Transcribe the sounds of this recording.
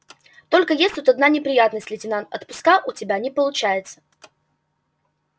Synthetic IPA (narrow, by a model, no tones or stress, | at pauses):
t̪o̞lʲkəjesʲt̪ut̪ɐd̪nanʲɪpɾʲɪjat̪nəsʲtʲlʲɪtʲɪnant̪ɐt̪pʊskaʔʊtʲɪbʲanʲɪpəlˠʊt͡ɕæjɪt̪sə̥